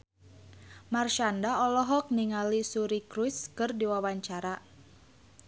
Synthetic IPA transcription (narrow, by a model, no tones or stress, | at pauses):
marʃandaɔlɔɦɔk̚niŋalisuɾikɾuskɨrdiwawaɲt͡ʃaɾa